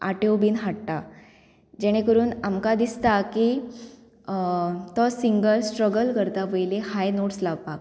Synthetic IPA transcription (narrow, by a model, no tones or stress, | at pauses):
aʈewbiːnɦaʈ̚t̪a | d͡ʑeɽ̃ẽkəɾuːnamkad̪ist̪aki | t̪ɔsiŋɡəlsʈɾəɡəlkəɾt̪aʋəjlehajnoʈslaʋpak̚